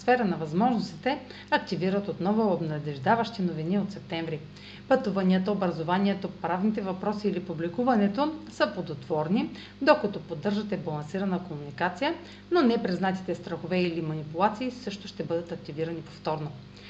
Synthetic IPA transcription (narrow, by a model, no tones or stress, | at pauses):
sfɛɾənɐvɐzmɔʒnost̪it̪ɛ | ɐk̚t̪iviɾət̪ot̪nɔvʊobnɐd̪ɛʒd̪avəʃt̪inoviniot̪sɛp̚t̪ɛɱvɾi | pɐt̪uvɐniət̪əobɾɐzovaniɛt̪opɾavnit̪ɛvɐpɾɔsiːlipublikuvɐnɛt̪osəpˠod̪ot̪v̥ɔɾni | d̪okət̪opod̪ːɤɾʒət̪ɛbɐlˠɐnsiɾɐnəkomunikat̪sijə | nonɛpɾiznat̪i̥t̪ɛst̪ɾɐxovɛilimɐnipʊlˠat̪siːsɤʃt̪oʃt̪ɛbɤd̪ət̪ɐk̚t̪iviɾɐnipo̥ft̪ɔɾno